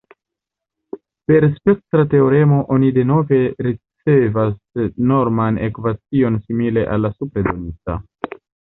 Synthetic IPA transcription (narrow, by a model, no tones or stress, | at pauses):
pe̞ɾspe̞k̚tɾate̞oɾe̞mo̞ʔo̞nide̞no̞ve̞ɾit͡se̞vas | no̞ɾmanḛkvat͡sio̞nsimile̞ʔa̰lːasupɾedo̞nit͡sa̰